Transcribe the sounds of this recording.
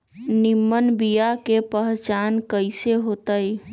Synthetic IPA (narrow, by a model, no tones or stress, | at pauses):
nimːənbijakepəɦt͡ʃankəɪseɦot̪əj